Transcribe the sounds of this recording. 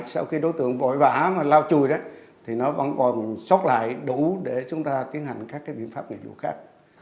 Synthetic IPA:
sa˧wxi˧ɗo˨˦jt̪ɨ̰˧˨əŋvo̰˧˨jva̰ː˧˩maː˨˩laː˧wt͡ɕu˨˩əjɗə˨˦t̪ʰi˨˩nɔ˨˦və̰˧˥nkɔ˨˩nsə˦˥t̚la̰ː˧˨jɗu˧˩˦ɗe˧˩t͡ɕʊ˨˦ŋ͡mt̪aː˧t̪i˨˦ənha˨˩jŋ̟kaː˦˥k̚ːaː˨˦jɓḭ˧˨ənfaː˦˥p̚ŋḭ˧˨vṵ˧˨xa̰ː˦˥k̚

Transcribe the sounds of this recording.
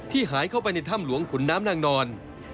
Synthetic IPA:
t̪ʰiː˥˩ɦaː˩˦jkʰa˥˩wp̬a˧jna˧jt̪ʰa˥˩mlu˨˩˦əŋkʰu˨˩˦nːaː˦˥mnaː˧ŋnɔː˧n

